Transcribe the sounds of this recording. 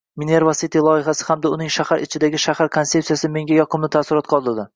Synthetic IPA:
mineɾvasit̪ʰilˠɒjɪɦasɪ̥hamd̪aʊnɪŋʃahaɾɪt͡ʃʰɪd̪aɡʲɪʃahaɾkʰonse̞psijasɪme̞ŋɡʲajɒqʰɨmlɪt̪ʰasɪɾɒt̪̚qʰɒlˠd̪ɪɾd̪ɪ

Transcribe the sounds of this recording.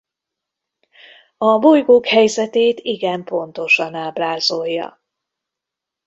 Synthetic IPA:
ɒbo̞jɡoːkhɛjzɛt̪eːt̪iɡɛmpo̞nt̪o̞ʃɒnaːblaːzojːɒ̰

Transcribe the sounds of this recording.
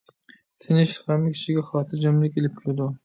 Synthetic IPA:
t̪ʰɪnɪʃχamːɪkʲʰi̥ʃiɡʲɛχɑːt̪ʰɨɾd͡ʒɑmlɪkʲelɪp̚kʲʰʊɾɪd̪u

